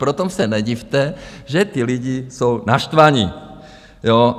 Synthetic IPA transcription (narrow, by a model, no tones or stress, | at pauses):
pɾot̪omsɛnɛɟift̪ɛʒɛt̪iliɟisownaʃt̪ʋaɲi | jo